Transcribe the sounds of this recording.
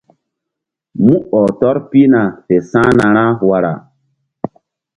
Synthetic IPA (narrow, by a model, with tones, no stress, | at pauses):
mũ˦ɔ˨tɔ˦ɾpi˦na˨fe˨sã˦na˨ɾã˦wa˨ɾa̰˨